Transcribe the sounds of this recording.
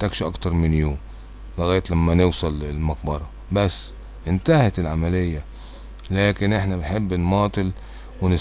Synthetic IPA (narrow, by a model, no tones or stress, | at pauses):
t̪akʃʔɑ̰kt̪ɑɾˤmɪnjuːm | lɪɣaːjt̪lamːanɪwsˤɑlɪlmaqbɑɾˤɑ | basː | ʔɪnt̪ahat̪ɪlʕamalɪjːa | laːkɪnʔɪħnabɪnħɪbːnmɑːt̪ˤɨl | wɪnɪ